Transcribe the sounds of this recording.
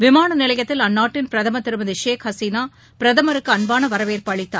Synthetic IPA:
ʋɪmaːɳɐnɪlɐjɐt̪ːɪlɐnːaːʈːɪnpɪɾɐðɐmɐt̪ːɪɾɯmɐðɯʂeːkhɐsiːnaː | pɪɾɐðɐmɐɾɯkːɯɐnbaːnɐʋɐɾɐʋeːɾpɐɭɪt̪ːa̰ː

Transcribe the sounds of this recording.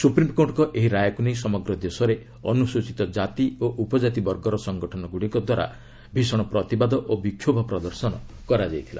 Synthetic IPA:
supɾimkoʈkɔʔeɦiɾajɔkunejsɔmɔɡɾɔd̪esɔɾe | ɔnusut͡ʃit̪ɔd͡ʒat̪ioʔupɔd͡ʒat̪ibɔɾɡɔɾɔsɔŋɡɔʈʰɔnɔɡuɽikɔd̪waɾa̰ | bʱisɔɽ̃ɔpɾɔt̪ibad̪ɔʔobikʰjobʱɔpɾɔd̪ɔɾsɔnɔ | kɔɾad͡ʒajt̪ʰila̰

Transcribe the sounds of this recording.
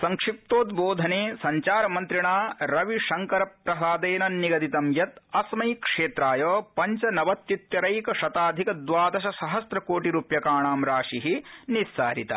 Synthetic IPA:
sɐŋkʂip̚t̪oːt̪boːd̪ʱɐneːsɐɲt͡ʃaːɾɐmɐnt̪ɾiɳaːɾɐʋiʃɐŋkɐɾɐpɾɐsaːd̪eːnɐnːiɡɐd̪it̪ɐmjɐt̪ɐsmɐjkʂeːt̪ɾaːjoːpɐɲt͡ʃɐnɐʋɐt̪jut̪jɐɾɐjkɐʃɐt̪aːd̪ʱikɐd̪ʋaːd̪ɐʃɐsɐɦɐsɾɐkoːʈiɾuːpjɐkaːɳaːmɾaːʂiɦinisːa̰ːɾit̪ɐ̰

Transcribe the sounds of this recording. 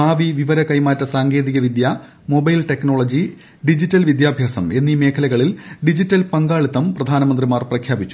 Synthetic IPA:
aːʋiʋiʋɐɾɐkɐjmaːtːɐsaːŋɡeːðiɣɐʋid̪ja | mobɐjlʈe̞kno̞ːɭɐd͡ʑi | ɖid͡ʑitːɐlʋid̪jaːbʱjaːsɐme̞nːime̞ːkʰɐlɐɣɐɭilɖid͡ʑitːɐlpɐŋɡaːɭit̪ːɐmprɐd̪ʱaːnɐmɐnd̪rimaːrprɐkʰjaːbit͡ɕːu

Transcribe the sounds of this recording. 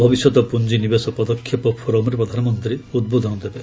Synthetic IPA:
bʱɔbisjɔt̪ɔpund͡ʒinibesɔpɔd̪ɔkʰːjipɔpʰɔɾɔmɔɾepɾɔd̪ʱanɔmɔnt̪ɾiud̪̚bod̪ʱɔnɔd̪ebe

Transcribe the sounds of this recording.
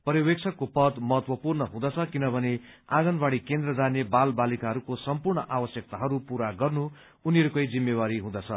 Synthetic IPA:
pʌɾiwek̚t͡sʰʌkːopʌd̪mʌɦʌt̪wʌpurnʌɦũd̪ʌt͡sʰʌkinʌbʱʌneaɡʌnbaɽikend̪rʌd͡zanebalbalikaɦʌɾukosʌmpurɳʌʔawʌsjʌk̚t̪aɦʌɾupuɾaɡʌrnuː | niʌɾukʌjd͡zimːewaɾiɦũd̪ʌt͡sʰʌ

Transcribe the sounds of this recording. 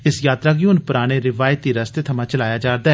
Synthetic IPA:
ɪsjaːt̪ɾaːɡjuːnpʊɾaːɽ̃eːɾɪʋaːjt̪iːɾəst̪eːt̪ʰəmãːt͡ʃəlaːjaːd͡ʒaːɾd̪aː

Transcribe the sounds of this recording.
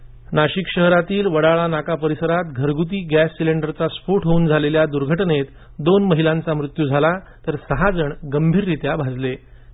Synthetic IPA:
naɕikɕəɦɾat̪iːlʋəɽaɭanakapəɾisəɾat̪ɡʱəɾɡut̪̬iːɡæsːileɳɖəɾt͡sasfuʈɦouːnd͡zʱaleljad̪uɾɡʱəʈnet̪ | d̪onməɦilãnt͡samɾut̪juːd͡zʱala | t̪əɾsəɦad͡zəɳɡəmbʱiːɾːit̪jabʱad͡zle

